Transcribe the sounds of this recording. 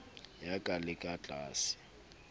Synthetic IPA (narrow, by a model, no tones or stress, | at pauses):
jakʼalɪkʼat͡ɬʼaːsɪ̥